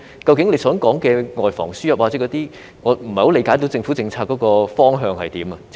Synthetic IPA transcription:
kɐ˧wkɪ˨˥ŋne˨˧jsœː˨˥ŋkɔː˨˥ŋkɛː˧ŋɔː˨jfɔ̰ː˨˩ŋsyː˥jɐ˨p̚wa˨˩t͡sɛː˨˥kɔː˨˦t̪iː˥ | ŋɔː˨˧m̩˨˩hɐ˨jho˨˥le˨˧jkaː˨˧˥jt̪o˨˥wt͡sɪ˧ŋfuː˨˥t͡sɪ˧ŋt͡sʰaː˧kɔː˨˧˥kɔː˧fɔː˥ŋɦœː˧ŋhɐ̰˨jt̪iː˨˥mɐ˧

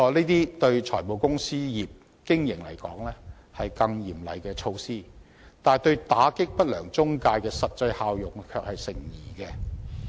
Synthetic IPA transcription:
ɔː˧liː˥t̪iː˥t̪ɵ˧ɥt͡ʃʰɔː˨˩jmo˨wkʊ˥ŋsiː˥jiː˨p̚ | kɪ˥ŋjɪ˨˩ŋlɐ̰˨˩jkɔ̰ː˨˥ŋlɛː˥ | hɐ˨jkɐ˧ŋjiː˨˩mlɐ̰˨˩jkɛː˧t͡ʃʰo˧wsiː˥ | t̪aː˨˩jt̪ɵ˧ɥt̪aː˨˥kɪ˥k̚pɐ˥t̚lœː˨˩ŋt͡sʊ˥ŋkaː˧jkɛː˧sɐ˨t̚t͡sɐ˧jhaː˧wjʊ˨˩ŋkʰœː˧k̚hɐ˨jsɪ˨˩ŋjiː˨˩kɛ˧

